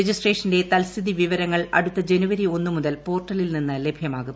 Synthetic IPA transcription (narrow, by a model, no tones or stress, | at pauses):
ed͡ʑisʈre̞ːʂɐnde̞t̪ɐlsiðiʋiʋɐɾɐŋːɐɭɐ̰ɽut̪ːɐd͡ʑe̞nuʋɐɾio̞nːumuðɐlpo̞ːrʈːɐlilninːɨle̞bʱjɐmaːɣum